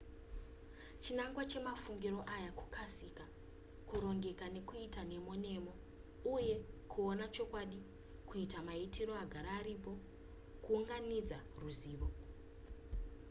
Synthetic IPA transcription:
t͡ʃinaŋɡwat͡ʃe̞mafuŋɡiɾo̞ʔajaku̥kʰasika | kuɾo̞ŋɡe̞kane̞kuitane̞mone̞mo̞ | uje̞kʰuo̞nat͡ʃo̞kwaɗi | kuitamaitʰiɾo̞aɡʱaɾaːɾipo̞ | kuuŋɡanid͡zaruziːʋo

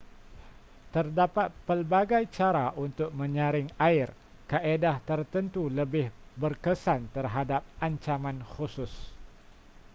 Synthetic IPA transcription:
t̪ərdapat̪̚pəlbaɡajt͡ʃaɾaʔunt̪ʊk̚mə̃ɲãɾɪŋaɪr | kaʔedaht̪ərt̪ənt̪uləbɪhbərkəsant̪ərɦadap̚aɲt͡ʃamãnxusʊs

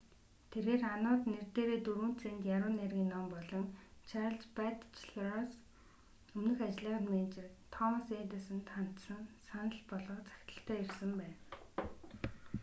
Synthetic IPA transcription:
t̪ʰerɣeːranʊːt̪nert̪eːɾeːt̪uɾuːn̥t͡sʰent̪jaɾʊːnːerɣʲiːnːɔmpɔɮɞ̆ŋt͡ɕʰaɾə̆ɮt͡ɕpæt̪t͡ɕʰɮrɔs | ɵmnɵ̆xat͡ɕɮəːʁə̆t̪meːnt͡ɕɪ̆rt̪ʰɔmseːnt̪ə̆sɘ̆nt̪χan̥t̪sə̆nsanə̆ɬpɔɮɞ̆t͡sḁkʲt̪ə̥̆ɬt̪ʰæːirsə̆mpæːn

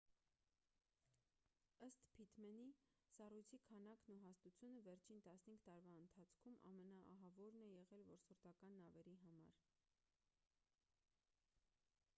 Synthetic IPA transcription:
əst̪pʰit̪mɛnisɑrujt͡sʰikʰɑnɑknuɦɑst̪ut͡sʰjunəvɛɾt͡ʃʰint̪ɑsnəhiŋɡt̪ɑɾvɑənt̪ʰɑt͡sʰkʰumʔɑ̰mɛnɑʔːɦɑvɔɾnɛjɛʁɛlvɔɾsəɾt̪ɑkɑnːɑvɛɾiɦɑmɑ̰ɾ

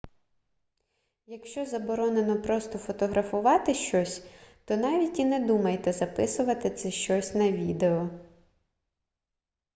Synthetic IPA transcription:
jɐkʃt͡ʃɔzɐbɔɾɔne̞nɔpɾɔst̪ɔfɔt̪ɔɦɾɐfʊʋɑt̪ɪʃt͡ʃɔsʲt̪ɔnɑʋʲitʲinɛd̪umɐjt̪ɛzɐpɪsʊʋɐt̪ɪt̪sɛʃt͡ʃɔsʲnɐʋʲid̪eɔ

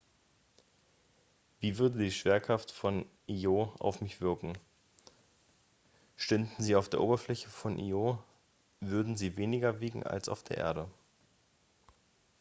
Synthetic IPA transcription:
v̥iːvʏɐdədiːʃv̥eːɐkʁ̥aftfɔn | ʔioːa̰ʊfmɪçv̥ɪɐkŋ̩ | ʃtʏndn̩ziːaʊfd̥eːɐʔoːbɐflɛçəfɔnʔḭo | vʏɐdn̩ziːveːnɪɡɐviːɡŋ̩a̰lsa̰ʊfd̥eːɐʔḛːɐɾə

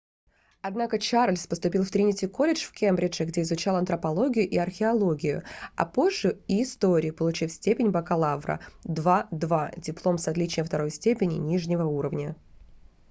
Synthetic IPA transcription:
ɐd̪nakət͡ɕarlʲspəst̪ʊpʲilˠft̪ɾʲinʲɪtʲɪko̞lʲɪʂfkʲembɾʲɪʐɨɡdʲeɪzʊt͡ɕalˠɐnt̪ɾəpɐlˠo̞ɡʲɪjʊʔiɐrxʲɪɐlˠo̞ɡʲɪjʊ̰ɐ̰po̞ʐːʊiːst̪oɾʲɪpəlˠʊt͡ɕifsʲtʲepʲɪnʲbəkɐlˠavɾə̰d̪vad̪vadʲɪplˠo̞msɐt̪lʲit͡ɕnʲəft̪ɐɾo̞jsʲtʲepʲɪnʲɪ̰nʲiʐnʲɪvəuɾəvnʲə

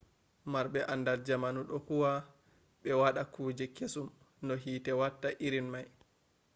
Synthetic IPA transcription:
maɾɓɛʔanːdald͡ʒamanuɗɔkuwa | ɓɛwaɗakuːd͡ʒɛkesum | nɔɦiːtɛwatːaʔiɾinmaj

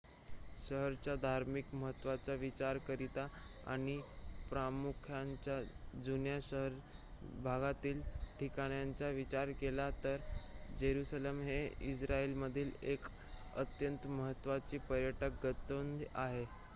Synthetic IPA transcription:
ɕəɦəɾt͡ɕjad̪ʱaɾmikməɦət̪ːʋat͡saʋit͡ɕaɾkəɾit̪a | a̰ɽ̃ipɾamukʰjaɲt͡ɕad͡zunjaɕəɦəɾbʱaɡat̪iːlʈikaɽ̃jaɲt͡saʋit͡ɕaɾkelat̪əɾd͡ʑeɾusalemɦeisɾaelməd̪ʱiːlek | ə̰t̪jənt̪məɦət̪ːʋat͡ɕiːpəɾjəʈək̚ɡət̪əənd̪aɦe

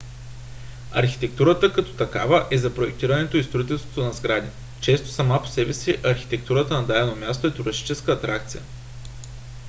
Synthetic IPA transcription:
ɐɾxi̥t̪ɛkt̪uɾət̪əkɐt̪ɔ̥t̪ɐka̰vəʔɛzɐpɾoɛk̚t̪iɾənɛt̪oist̪ɾoit̪ɛlˠst̪vo̥t̪onɐzɡɾad̪i | t͡ʃɛst̪o̥sɐmapo̥sɛbɛsiʔɐɾxi̥t̪ɛk̚t̪uɾət̪ənɐd̪ad̪ɛnomʲjast̪oɛt̪uɾɐʃi̥t͡ʃɛskəːt̪ɾak̚t̪sijə̰

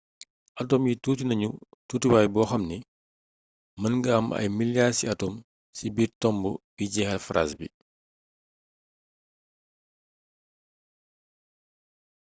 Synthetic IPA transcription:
ʔɐtɔmjitutinɐɲu | tuːtiwaːjbɔːxɐmni | mɐnŋɡɐɐmɐ̰jmiljasiɐtɔm | sibiːrtɔmbubiɟɛxɐlfɾa̰sbḭ

